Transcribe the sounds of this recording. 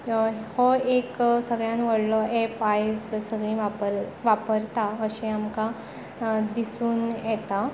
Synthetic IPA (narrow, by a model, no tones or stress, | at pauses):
hɔeksəɡɭjãnʋəɽlɔʔepajd͡zsəɡɭĩʋapəɾʋapəɾt̪aəɕĩamka | d̪isuːnjɛt̪a